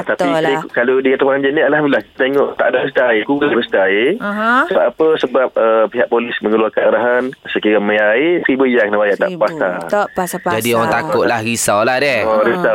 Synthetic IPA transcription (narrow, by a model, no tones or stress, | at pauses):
t̪apikalodikat̪apaɲd͡ʒənialhambilahki̥t̪at̪eŋɔ̰ʔt̪a̰ʔdabəst̪aekuɡədabəst̪aesəbaapəsəbap̚əpiɦaʔ̚polɪsməŋəluarkaaɾaɦansəkiɾamə̃jaesəɾibəijaknabajaʔt̪a̰ʔpast̪a | d͡ʒadioɾaŋt̪akʊʔlahɾisawlahdɛɔɾisa